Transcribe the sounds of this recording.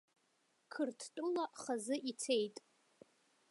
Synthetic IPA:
kʰɨrtʰtʼʊlaχazɨʔit͡sʰe̞jtʼ

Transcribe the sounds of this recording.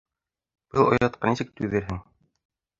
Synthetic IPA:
b̥ɤlˠŏjɑt̪̚qɑnisɘk̚t̪ʉðɘ̆ɾɦɘŋ

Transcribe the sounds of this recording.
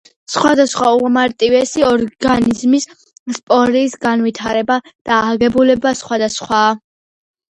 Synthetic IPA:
sχwad̪asχwauʁmaɾt̪ʼivɛsiɔɾɡanizmis | spʼɔɾiːsɡanvit̪ʰaɾɛbad̪̥aːʁɛbulɛbasχwad̪asχwaː

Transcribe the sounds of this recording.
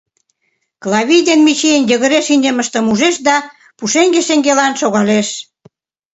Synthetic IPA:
klɑβʲijd̪enmit͡ɕijenjəɣə̆ɾeʃinʲəməʃt̪ə̆muʒeʃd̪ɑ | puʃeŋɡeʃeŋɡelɑnʃoɣɑleʃ

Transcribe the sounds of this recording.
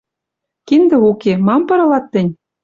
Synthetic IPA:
kind̪ɘ̆ukemɑmpɤ̆ɾɤ̆lɑt̪ːɘ̆nʲ

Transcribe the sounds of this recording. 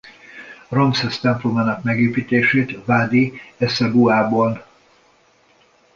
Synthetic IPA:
romsɛst̪ɛmplomaːnɒkmɛɡeːpiːt̪eːʃeːt̪vaːd̪iɛsɛbuaːbon

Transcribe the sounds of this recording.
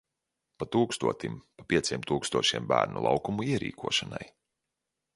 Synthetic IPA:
pat̪uːkst̪uɔt̪impapʲiɛt̪sʲiɛmt̪uːkst̪uɔʃiɛmbæ̰ːɾnṵlˠɑ̰wkumuiɛɾḭːkʰuɔʃana̰j

